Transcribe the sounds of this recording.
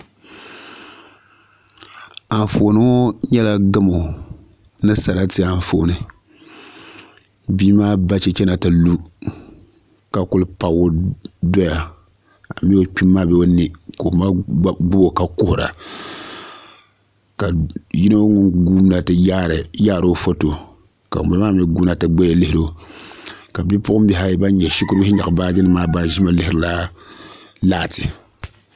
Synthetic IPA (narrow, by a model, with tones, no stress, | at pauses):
a˨ɱ˨fo˨nɨ˦o˦ɲɛ˦la˦ɡɨ˦mo˨ | nɨ˦sa˨ɾa˦tɪ˦a˨ɱ˨foː˨˦nɨ˨ | biː˦maː˦ba˦t͡ʃɛ˦t͡ʃɛ˦na˨tɨ˨lu˦ | ka˨kʊ˦lɨ˦pa˨wo˦do˦ja˨ | a˨mi˦o˦k͡pi˦mːa˦bɛ˦o˦ni˨ko˨ma˦ɡ͡bʊ˦bo˨ka˨kʊ˦hʊ˨ɾa̰˨ | ka˨ji˦na˦o˦ŋʊ˦nɡuː˦m˦na˨tɨ˦jaː˦ɾɨ˨jaː˦˨ɾo˦fo˦to˨ | ka̰˨bɛ˦maː˦mɛ˦ɡu˦na˦˨tɨ˨ɡ͡bɛ˦je˨lɪ˦hɪ˦ɾo˦ | ka˨bi˦pʊ˦ʔʊ˦m̩˦bi˦ɦa˦ba˦nɲɛ˨ʃi˦kʊ˦ɾbɪ˦hɪ˦ɲa˨baː˦d͡ʒɪ˦nɨ˦maː˦ba˦n˦ʒi˦ma˦lɪ˦hɨ˨la˦ | laː˦˨tɪ˨